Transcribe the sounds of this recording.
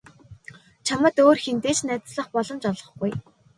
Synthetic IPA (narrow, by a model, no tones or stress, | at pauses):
t͡ɕʰamə̆t̪oːrxent̪eːt͡ɕnæt͡sɮə̆χpɔɮɞ̆mt͡ɕɔɮɞ̆χɡuj